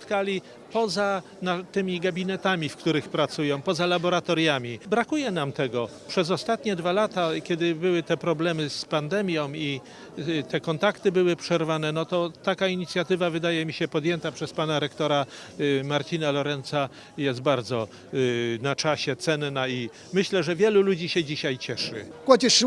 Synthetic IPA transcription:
pt̪kalʲi | pɔza | nat̪ɘmʲiɡabʲinɛt̪amʲifkt̪uɾɘxpɾat̪sujɔ̃w̃pɔzalabɔɾat̪ɔɾjamʲibɾakujɛnamt̪ɛɡɔpʂɛzɔst̪at̪ɲɛd̪valat̪akʲɛd̪ɘbɘwɘt̪ɛpɾɔblɛmɘspand̪ɛmʲjɔ̃w̃i | t̪ɛkɔnt̪akt̪ɘbɘwɘpʂɛɾvanɛnɔt̪ɔt̪akaiɲit̪sʲjat̪ɘvavɘd̪ajɛmʲiɕɛpɔd̪jɛnt̪apʂɛspanaɾɛkt̪ɔɾa | maɾt͡ɕinalɔɾɛnt̪sa | jɛst̪̚baɾd̪zɔ | nat͡ʂaɕɛt̪sɛnːai | mɘɕlɛʐɛvʲjɛlulud͡ʑiɕɛd͡ʑiɕajt͡ɕɛʂɘ̰kwat͡ɕɛʂ

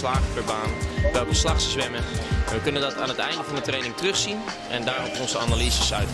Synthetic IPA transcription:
slaːɣəpɛɹbaːnəʋɛlˠkəslaxsəsʋɛməɛnʋəkønəndɔtʰaːnətɛjndəfɑndətrejnɪŋtrøxsin | ʔɛndaːrɛtɔnsəanalizəsœɥt

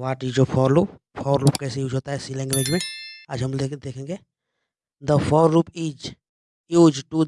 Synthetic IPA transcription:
ʋaːʈid͡ʒopʰɔːɾlo | pʰɔːɾɾuːpkɛːsejuːd͡ʒɦoːt̪aɦɛsiːlɛ̃ŋɡmẽd͡ʒmẽaːd͡ʒɦəmed̪eːkʰẽːŋɡe | d̪əpʰɔːɾɾuːpiːd͡ʒ | juːd͡ʒʈu

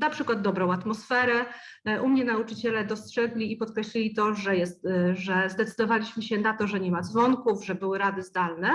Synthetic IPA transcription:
napʂɘkwad̪̚d̪ɔbɾɔ̃w̃at̪mɔsfɛɾɛ | ʔumɲɛnaut͡ʂɘt͡ɕɛlɛd̪ɔstʂɛɡlʲiːpɔt̪̚kɾɛɕlʲilʲit̪ɔʐɛjɛst̪ʐɛzd̪ɛt̪sɘd̪ɔvalʲiɕmɘɕɛnat̪ɔʐɛɲɛmad̪zvɔŋkuvʐɛbɘwɘɾad̪ɘzd̪alnɛ

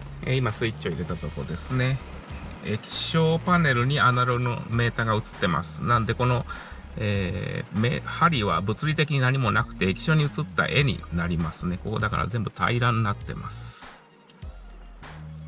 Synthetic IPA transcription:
ḛimasɨit͡ɕːio̞iɾe̞t̪at̪o̞koɾd̪e̞sɨne̞ | ekʲi̥ɕo̞ːpane̞ɾɯ̟ɲ̟ianaɾono̰me̞ːt̪aɡaɯ̟t͡sɨ̥t̪ːe̞ma̰sɨ̥nãnd̪e̞ko̞no̞ | eːmehaɾʲiβa̰bɯ̟t͡sɨɾʲit̪e̞kʲiɲ̟inaɲ̟imo̞nakɯ̟̥t̪e̞ːkʲi̥ɕo̞ɲ̟iɯ̟t͡sɨt̪ːa̰ʔe̞ɲ̟ḭnaɾʲimasɨne̞ko̞ko̞̰d̪aka̰ɾa̰zẽ̞mbɯ̟t̪ʰa̰iɾãnːat̪ːe̞̰mʔa̰sɨ̥

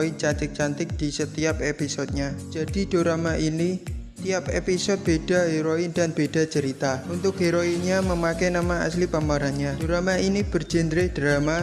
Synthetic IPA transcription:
int͡ʃant̪ɪk̚t͡ʃant̪ɪk̚d̥isət̪iap̚episɔd̪̚ɲad͡ʒadid̥oɾamaʔinit̪iapḛpisɔd̚b̥ed̥a̤ɦeɾoindanb̥ed̥a̤t͡ʃəɾit̪aunt̪ʊk̚ɦeɾoiɲaməmakɛnamaa̰slipamaɾanɲad̥oɾamainib̥ərd͡ʒind̪ɾɪhd̥ɾama

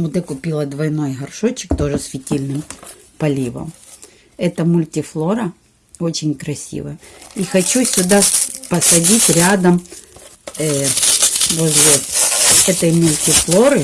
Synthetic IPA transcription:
mʊd̪ɛkʊpʲilˠɐd̪vɐjno̞jɦɐrʂot͡ɕːɪ̥kt̪o̞ʐɨsfʲɪtʲilʲnɨm | pɐlʲivɐ̰m | ɛt̪ɐmʊlʲtʲɪflˠo̞ɾɐ | o̞t͡ɕɪnʲkɾɐsʲḭvɐ̰jixɐt͡ɕusʲsʲʊd̪apɐsɐdʲitʲɾʲad̪ɐm | vo̞zʲlʲɪ | ɛt̪ɐjmʊlʲtʲɪflˠo̞ɾɨ

